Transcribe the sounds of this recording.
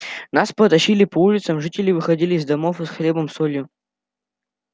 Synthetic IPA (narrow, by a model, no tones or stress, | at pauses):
naspət̪ɐɕilʲɪpɐulʲɪt̪səmʐɨtʲɪlʲɪvɨxɐdʲilʲɪːzd̪ɐmofɨsxlʲe̞bəmsolʲjʊ